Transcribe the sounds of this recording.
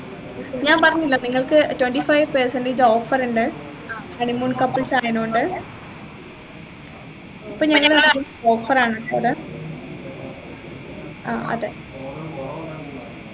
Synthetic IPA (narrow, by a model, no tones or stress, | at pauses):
ɲaːnpɐrɐɲːilːɐniŋːɐɭkɨtweɳʈifɐjʋpeːsɐndɨd͡ʑoːfɐɾuɳɖɨ | mɐɳimuːnkɐpːɨlsaːjɐnoɳɖɨ | ipːoːɭɲɐŋːɐɭɐnikːo | oːfɐraːɳɐɐðɨ | a̰ːɐ̰ðe